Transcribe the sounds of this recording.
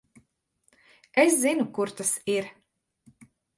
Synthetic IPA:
eszinukuɾt̪asiɾ

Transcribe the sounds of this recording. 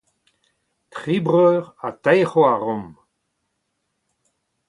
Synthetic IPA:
t̪χibʁœːʁat̪ɛjχoaʁɔ̃m

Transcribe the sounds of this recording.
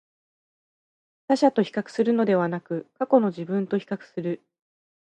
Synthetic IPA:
taɕat̪o̞çi̥kakɯ̥sɨɾɯ̟no̞d̪e̞βanakɯ̟kako̞no̞ʑibɯ̟̃nt̪o̞çi̥kakɯ̟̥sɨɾɯ̟

